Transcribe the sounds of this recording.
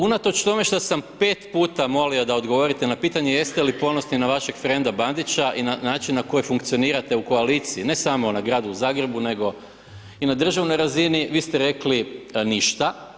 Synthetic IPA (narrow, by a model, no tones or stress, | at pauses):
unat̪o̞t͡ʃt̪o̞me̞ʃt̪asampe̞ːt̪puːt̪amo̞liod̪aod̪ɡoʋo̞ɾit̪e̞napiːt̪aɲe̞je̞st̪elipo̞no̞sninaʋaʃe̞ɡfɾe̞nd̪aband̪it͡ɕaʔinanaːt͡ʃinːako̞jojfuŋkt̪ioniːɾat̪e̞uko̞aliːt̪siːne̞samo̞naɡɾaːd̪uuzaːɡɾe̞bune̞ɡo̞ | inad̪r̩ʒaʋno̞jɾaziniʋiːst̪eɾe̞kliniʃt̪a